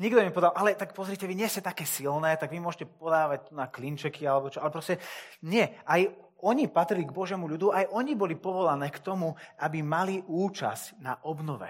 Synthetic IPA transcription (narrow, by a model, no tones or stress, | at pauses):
ɲiɡd̪ɔmimɛpɔd̪alʔalɛt̪akpɔzɾicɛʋiɲɪɛscɛt̪akɛːsilnɛːt̪aɡʋimʊɔʒɛcɛpɔd̪aːʋac̚t̪unaklint͡ʃɛkʰialɛbɔt͡ʃɔalɛpɾɔscɛɲɪɛʔaj | ɔɲipat̪ɾiliɡbɔʒɪɛːmuʎud̪uʔajʔɔɲibɔlipɔʋɔlanɛːkt̪ɔmuʔabimaliʔuːt͡ʃa̰scna̰ʔɔbnɔʋɛ̰